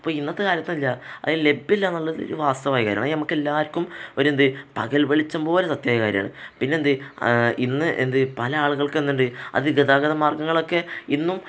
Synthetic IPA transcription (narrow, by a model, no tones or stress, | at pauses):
ɐpːoːinːɐt̪ːɨkaːɾjɐt̪ːumilːɐɐ̰ðile̞bːilːanːɐlːɐðilo̞̰ɾuʋaːst̪ɐʋaːjkaːɾjɐaːɳinɐmukːe̞lːaːɐɾkʲːumoɾend̪ɨpɐɣɐlʋeɭit͡ɕːɐmbo̞ːlesɐt̪jaːjɐkaːɾjɐma̰ːɳɨ̰pinːe̞nd̪ɨinːɨʔḛnd̪ɨpɐlɐaːɭuɣɐɭkenːuɳɖɨɐ̰ðɨɡeðaːɡɐðɐmaːrɡɐŋːɐɭo̞kːe̞inːum